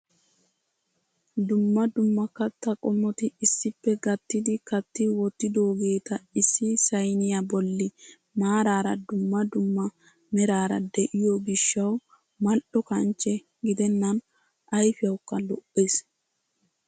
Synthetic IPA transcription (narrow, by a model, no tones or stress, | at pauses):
d̪ʊmːɐd̪ʊmːɐkːɐt̪ːɐkʼɔmːɔt̪ɪɪsːɪpːɛɡɐt̪ːɪd̪ɪkɐt̪ːɪwɔt̪ːɪd̪oːɡe̞ːt̪ɐɪsːɪsɐjnɪjabɔlːɪ | maːɾaːɾɐd̪ʊmːɐd̪ʊmːɐ | mɛɾaːɾɐd̪ɛʔɪjɔɡɪʃːɐw | mɐlʔɔkɐnt͡ʃːɛ | ɡɪd̪ɛnːɐn | ʔɐjfɪjɐwkːɐlɔʔːeːs